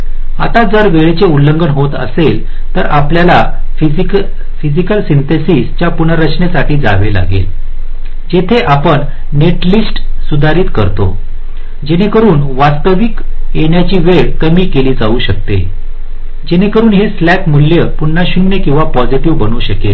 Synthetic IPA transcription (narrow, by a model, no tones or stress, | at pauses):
a̰t̪ad͡zəɾʋeɭet͡seulːəŋɡəɳɦot̪ə̰sel | t̪əɾapljala | fid͡zikəlsint̪esiːst͡ɕjapunəɾət͡ɕʰɳesaʈʰiːd͡za̰ʋela̰ɡḛl | d͡ʑet̪ʰeʔapəɳ | neʈlisʈsud̪ʱaɾiːt̪kəɾt̪o̰ | d͡ʑenekəɾuːnʋast̪əʋikeɳjat͡ɕiːʋeɭkəmiːkeliːd͡zauɕək̚t̪ḛ | d͡ʑenekəɾuːnɦeslækmulːjəpuɳːaɕumnekĩw̃ʋapɔd͡ziʈiʋbənuːɕəkḛl